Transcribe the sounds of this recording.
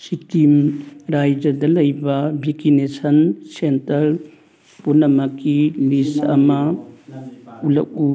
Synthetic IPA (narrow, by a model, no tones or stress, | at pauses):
sitimɾajd͡ʒɐdɐlɐjbɐbʱikinesɐnsentɐl | punːɐmɐkilisɐ̰mɐ | ulɐ̰k̚u